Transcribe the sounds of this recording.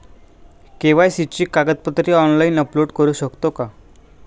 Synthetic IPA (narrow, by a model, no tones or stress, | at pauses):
keʋajsit͡ɕiːkaɡət̪̚pət̪ɾiɔnlainəploɽkəɾuːɕəkt̪oka